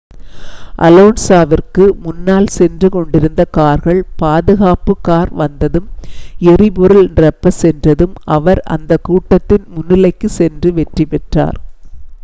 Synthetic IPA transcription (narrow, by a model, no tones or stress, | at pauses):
ʔɐ̰loːnsaːʋɪrkɯmʊnːaːlsɛndrɯkɔɳɖɪɾɯnd̪ɐkaːɾɣɐɭpaːðɯɣaːpɯkːaːɾʋɐnd̪ɐðɯmɛrɪpɔɾɯlnɪrɐpːɐsɛndrɐðɯmʔɐʋɐɾɐ̰nd̪ɐkːuːʈːɐt̪ːɪnmʊnːɪlɐɪkːɯsɛndrɯʋɛʈripɛʈra̰ːɾ